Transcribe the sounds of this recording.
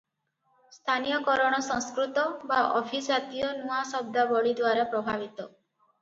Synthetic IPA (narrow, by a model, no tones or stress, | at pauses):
st̪ʰanijɔkɔɾɔɽ̃ɔsɔ̃ŋskɾut̪ɔbaʔɔbʱid͡ʒat̪ijɔnuasɔb̚d̪abɔɭid̪waɾapɾɔbʱabit̪ɔ